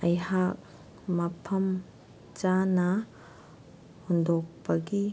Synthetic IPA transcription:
ɐjhak̚ | mɐpʰɐm | t͡ʃanɐ | hundok̚pɐɡi

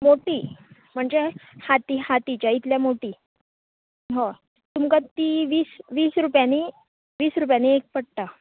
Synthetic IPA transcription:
moʈiː | m̤əɳd͡zehat̪ihat̪it͡ɕjait̪ljamoʈiː | ɦã | t̪umkat̪iʋiːsʋiːsɾupjani | ʋiːsɾupjaniek̚pəɽt̪a

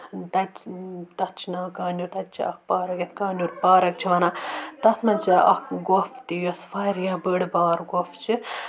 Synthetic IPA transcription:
t̪ɐt̪t̪ɐtt͡ʃʰinaːkaːnuːɾʲt̪ɐt̪̚t͡ʃʰḭɐk̚paːɾɐkɐt̪kaːnʲuːɾʲpaːɾɐk̚t͡ʃʰiʋɐnat̪ɐt̪ʰnɐt͡ʃaʔɐ̰kɡoft̪ijosfɐɾjabəɽbaːɾɡoft͡ʃʰi

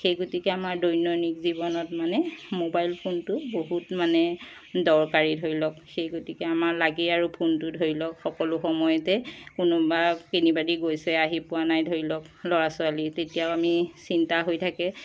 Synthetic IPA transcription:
xejɡotikɛamaɹdɔjnɔnikzibɔnɔtmanɛmobajlpʰontʊboɦutmanɛ | dɔɹkaɹidʱojlɔk̚xejɡotikɛamaɹlaɡiaɹupʰontʊdʱoɹilɔkxɔkɔlʊxɔmɔjɔtɛkʊnɔbakinibadiɡojsɛaɦipʊwanajdʱoɹilɔklɔɹasʊalitetijaʊamisintaɦojtʰakɛ

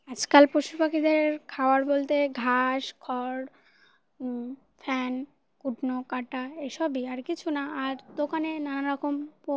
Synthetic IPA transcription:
ad͡ʑkalpoʃupakʰid̪eɾkʰaoaɾbolt̪eɡʱaʃkʰɔɾ | fʰɛn | kuʈnokaʈaeʃɔbiaɾkit͡ɕʰunaaɾd̪okanenanaɾɔkʰompo

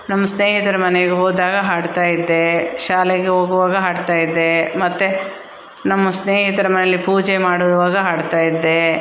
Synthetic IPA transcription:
nɐmːɐsneːɦit̪ɐɾɐmɐneɡeɦoːd̪aːɡɐɦaːɽt̪aːjid̪ːe̞ʃaːleɡeɦoːɡuʋaːɡɐɦaːɽt̪aːjid̪ːe̞mɐt̪ːe | nɐmːɐsneːɦit̪ɐɾɐmɐnejɐlːipuːd͡ʒemaːɽuɾuʋaːɡɐɦaːɽt̪aːjid̪ːe

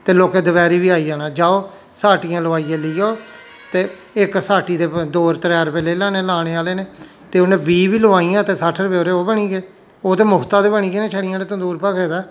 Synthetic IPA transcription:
t̪eːloːkeːd̪əbɛːɾiːʋiːaːiːaːnãːd͡ʒaːoː | saːʈijãːləʋaːiːeːləiːjoː | t̪eː | ɪksaːʈiːd̪eːd̪oːɾt̪ɾɛːɾpeleːlãːneːlaːɽ̃eːaːleːneː | t̪eːʊnẽːbiːʋiːlʊʋaːijãːt̪eːsaːʈʰːəɾbeoːɾeːoːbəɳiːɡeː | oːt̪eːmʊkt̪aːt̪eːbəɳiːɡeːneːt͡ʃʰəɽɪijãːneːt̪ənd̪uːɾpəkeːd̪aː

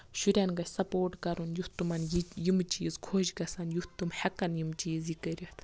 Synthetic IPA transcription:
ʃuɾʲɐnɡɐsɐpoːɾʈkɐɾunjuht̪ːumɐnjijimt͡ʃizkʰoːʃɡɐsɐnjuht̪ːumhɐkɐnjimt͡ʃiːzikɐɾʲiht̪

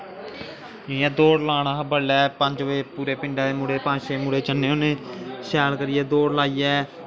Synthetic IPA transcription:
iɛ̃ːd̪oːɽlaːñaːɦəbəlːɛːpə̃ɲd͡ʒʋeːpuːɾeːpɪ̃ɳɖaːmʊɽeːpãːʃeːmʊɽeːt͡ʃənːeːonẽːʃɛːlkəɾiːɛːd̪oːɽlaːiːjɛː

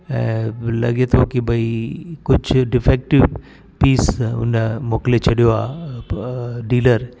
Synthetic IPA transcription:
ɛ̃ːlɐ̰ɠet̪ʰokibɐikʊd͡ʑʱɖɪfeːk̚ʈɪʋ | piːsʊ̰nmoːklet͡ɕʰɐɗijoa̰ː | ɖiːləɾ

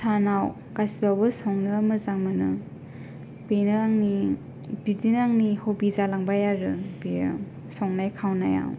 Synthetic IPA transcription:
sanaw | kasibawbɯsɔŋnɯmɯzaŋmɯnɯ | benɯaŋni | b̥idinaŋnihobizalaŋbajaɾɯbejɯ̰ | sɔŋnajkʰawna̰ja̰w

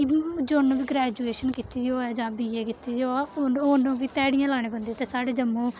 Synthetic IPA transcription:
d͡ʒoːnũːʋiːɡɾɛːd͡ʒuːeːʃənkit̪iːoːɛːd͡ʒãːbiːeːkɪt̪iːooːnũːbiːt̪ɛːɽɪjãːlaːɽ̃eːbənd̪eːt̪eːsaːɽeːd͡ʒəmõː

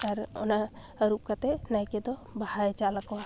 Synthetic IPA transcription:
aɾɔ̰na | ɾup̚kat̪ɛnajked̪ɔbahajt͡ʃalaka

